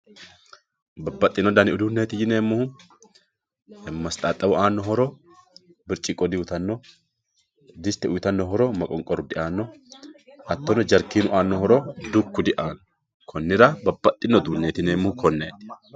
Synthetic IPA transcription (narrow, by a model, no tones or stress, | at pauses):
bɐbːɐt̪ʼːɪnːɔd̪ɐnɪʊd̪uːnːeːt̪ɪjɪneːmːʊhʊ | mɐst̪ʼaːt̪ʼːɐwʊʔaːnːɔhɔɾɔ | bɪɾt͡ʃʼːɪkʼɔd̪ɪwʊt̪ɐnːɔ | d̪ɪst̪ːɛʊjt̪ɐnːɔɦɔɾɔmɐkʼɔŋkʼɔɾʊd̪ɪʔaːnːɔ | ɐt̪ːɔnɔd͡ʒɐɾkiːnʊʔaːnːɔhɔɾɔd̪ʊkːʊd̪ɪʔaːnːɔ | kʰɔnːɪɾɐbɐbːɐt̪ʼːɪnːɔd̪uːnːeːt̪ɪneːmːʊhʊkʰɔnːeːt̪ɪ̥